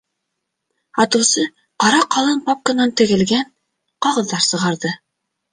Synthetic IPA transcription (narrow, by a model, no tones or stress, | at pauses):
ɑt̪ɤ̆wsɤ | qɑɾɑqɑlˠɤmpɑp̚kə̆nɑnt̪ɘ̆ɣɘ̆lɡæn | qɑʁɤ̆ðːɑɾsɤ̆ʁɑɾðɤ